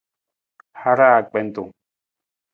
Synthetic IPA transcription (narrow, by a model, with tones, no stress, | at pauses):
ha˦ɾa˦˨k͡pe˦nt̪u˨